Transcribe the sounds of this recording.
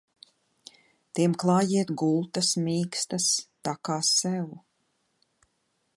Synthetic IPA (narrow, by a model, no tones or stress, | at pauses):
t̪iɛmklˠɑːjiɛt̪ɡulˠt̪asmʲiːkst̪ast̪akaːsɛwu